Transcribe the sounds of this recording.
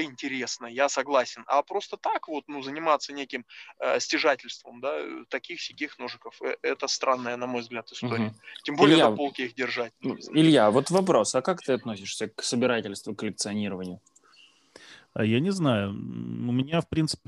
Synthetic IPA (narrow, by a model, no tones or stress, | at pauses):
əɪnʲtʲɪɾʲe̞snəjasɐɡlˠasʲɪnɐ̰pɾo̞st̪ət̪akvo̞t̪nuzənʲɪmat̪sənʲekʲɪməsʲtʲɪʐatʲɪlʲst̪vəmd̪at̪ɐkʲixsʲɪkʲixnoʐɨkəfɛt̪əst̪ɾanːəjənɐmo̞jvzɡlʲat̪ɨ̥st̪oɾɪtʲɪmbolʲɪjəpo̞lˠkʲɪixdʲɪrʐat̚ʲɪlʲjavo̞t̪vɐpɾo̞sɐkakt̪ɨɐt̪nosʲɪʂsʲəksəbʲɪɾatʲɪlʲst̪vʊkːəlʲɪk̚t̪sɨɐnʲiɾəvənʲɪjʊ | a̰janʲɪznajʊʊmʲɪnʲafpɾʲint̪sɨ̥pʲɪ